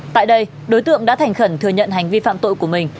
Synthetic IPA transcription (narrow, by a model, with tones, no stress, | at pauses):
t̪a̰ː˧˨jɗə˧j | ɗo˨˦jt̪ɨ̰˧˨əŋɗa̰ː˧˥t̪ʰjŋ̟xə˧˩nt̪ʰɨ˨əɲə̰˧˨nɦa˨˩jŋ̟vi˧fa̰ː˧˨mt̪o̰˧˨jku˧˩mï˨˩ŋ̟